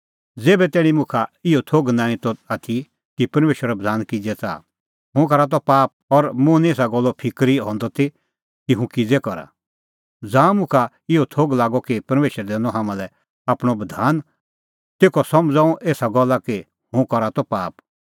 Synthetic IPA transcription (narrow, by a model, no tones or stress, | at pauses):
d͡zeːbɛt̪ɛːɽ̃imʊ̃kʰaɪɔt̪ʰoːɡnãːĩt̪ɔat̪ʰi | kipɐɾmeːʃəɾabɐd̪ʱaːnkid͡ʒɛt͡sa̰ː | ɦʊ̃kɔɾat̪̬ɔpaːp̚ɔɾmʊ̃nieːsaɡɔlːɔpʰɪkɾiɦɔ̃ːnd̪ɔt̪ʰi | kiɦũkid͡zɛkɔɾa̰ | d͡zãːmʊ̃kʰa | ɪɔt̪ʰoːɡlaːɡɔkipɐɾmeːʃəɾd̪ɛːnɔɦaːmãlɛ | aːpɽ̃ɔbɐd̪ʱaːn | t̪eːkʰɔsɐmd͡zãːũʔeːsaɡɔlːaki | hʊ̃kɔɾat̪ɔpaːp